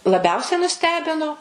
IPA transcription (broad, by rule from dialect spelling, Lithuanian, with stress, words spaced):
lˠɐˈbʲɛʊsʲɛɪ nʊˈsʲtʲæːbʲɪnoː